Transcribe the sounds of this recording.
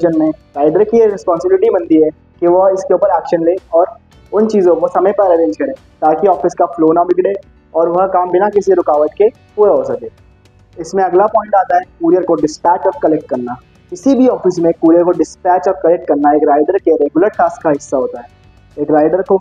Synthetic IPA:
d͡ʒənmẽɾaːɪɖəɾkieɾɪspɔ̃ːnsɪbɪlɪʈibɐ̃nt̪iɦɛ | kiʋoɪskeuːpəɾɛːkʃənleːɔːɾ | ʊnt͡ʃiːzõkosɐmə̃jpəɾɐɾẽːɲd͡ʒkɐɾẽː | t̪aːkiɔːfɪskafloːnaːbʱɪɡɽẽː | ɔːɾʋɐɦakaːmbɪnakɪsiɾʊkaːʋəʈke | puːɾaɦosɐkt̪eː | ɪsmẽɐɡlapɔːɪ̃ɳʈaːt̪aɦɛkuːɾijəɾkoɖɪspɛːt͡ʃɔːɾkɐlɛk̚ʈ̚kɐɾna | ɪsibʱiɔːfɪs̬mẽkuːɾjəɾkoɖɪspɛːt͡ʃɔːɾkɐlɛk̚ʈ̚kɐɾnaeːkɾaːɪɖəɾkeɾeɡjʊləɾkaːskaɦɪsːaɦoːt̪aɦɛː | eːkɾaːɪɖəɾko

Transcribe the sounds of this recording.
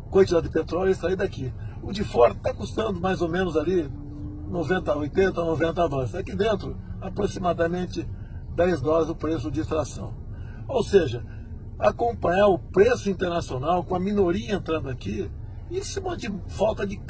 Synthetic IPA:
kojt͡ʃilad̪ʊd͡ʒɪpet̪ɾɔlʲjʊɪst̪ɾaid̪aki | ʊd͡ʒɪfɔɾɐt̪akust̪ɐ̃nd̪ʊmajzomẽnʊzali | novẽnt̪ɐojt̪ẽnt̪ɐonovẽnt̪ɐavɐsɪakid̪ẽnt̪ɾʊapɾosimad̪ɐmẽnt͡ʃ̪ɪ | d̪ɛjzd̪ɔzɐzʊpɾesʊd͡ʒɪist̪ɾasɐ̰̃w̃ | owseʒɐ | akõmpɐ̃ɲaɾʊpɾesʊĩnt̪eɾnasionawkõɐmĩnoɾiɐẽnt̪ɾɐ̃nd̪ʊaki | ẽsĩmɐd͡ʒɪfawt̪ɐd͡ʒɪ

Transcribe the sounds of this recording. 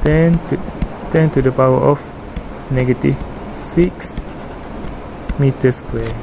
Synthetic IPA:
tɛ̃n | tɛ̃ntudəpawəʔɔf | nɛɡətif | siks | mitəspʰɹe

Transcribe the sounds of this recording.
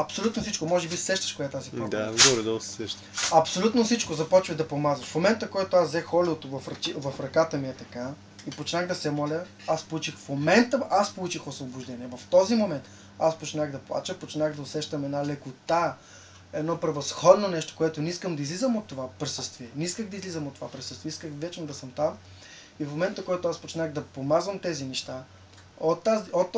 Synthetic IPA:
ɐpsolut̪nofsit͡ʃkomɔʒɛbissɛʃt̪ɐ̥ʃkojat̪azipɾob̪ɡoɾɛd̪ɐosɛʃt̪ɐɐpsolʲut̪nofsit͡ʃkozɐpɔt͡ʃvɐɣd̪ɐpomazɐʃfmomɛnt̪əkojt̪oaszɛxɔlɛot̪ovɐfɾɐt͡ʃivɐfɾɐkat̪əmiɛt̪ɐka | ipot͡ʃnaɣd̪ɐsɛmɔlʲə | aspolˠut͡ʃixfmomɛnt̪əaspolˠut͡ʃixosvobʊʒd̪ɛniɛvɐft̪ɔzimomɛnt̪ | aspot͡ʃnaɣd̪ɐplˠa̰t͡ʃəpot͡ʃnʲaɣd̪ɐosɛʃt̪əmɛd̪nalɛkʊt̪a | ɛd̪nɔpɾɛvɐsxɔd̪nonɛʃt̪o̥koɛt̪oniskəmd̪ɐizlizvəmot̪ːovapɾɛsɤst̪viɛnɛiskəɣd̪ɐizlizɐmot̪ːovapɾɛsɤst̪viɛiskəxvɛt͡ʃnod̪ɐsəmt̪am | ifmomɛnt̪əkojɛt̪oaspot͡ʃnaɣd̪ɐpomazvəmt̪ɛzinɛʃt̪a | ot̪ːaot̪ː

